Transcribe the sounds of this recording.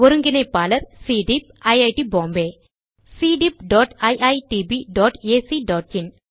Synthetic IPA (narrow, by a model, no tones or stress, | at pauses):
ʋɔɾuŋɡinɐpaːlɐɾsiːɖip̚ | ɐjɐjʈibɔ̃ːmbeː | siːɖip̚ɖɔːʈɐjʔɐjʈibiɖɔːʈeːsiɖɔːʈ̚in